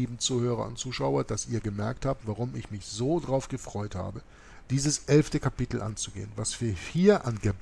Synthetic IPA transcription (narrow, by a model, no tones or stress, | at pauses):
iːbm̩t͡suːhøːʁɐ̰ʊ̰ntt͡suːʃaʊɐd̥asiːɐɡəmɛɐk̚thaːp̚tv̥aʁʊmɪçmɪçz̥oːdʁaʊfɡ̥əfʁ̥ɔʏtha̰ːbə | d̥iːzəsʔɛlftəkʰapɪtl̩ʔa̰nt͡suɡḛːənvasv̥iːɐhiːɐʔanɡə